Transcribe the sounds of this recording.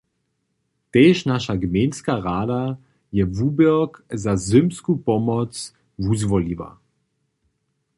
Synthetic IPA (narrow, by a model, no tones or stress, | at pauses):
t̪ɛːʃnaʃaɡmenskaʁada | jɛvubəkzazʏmskupɔmɔt͡s | vuzvɔliva̰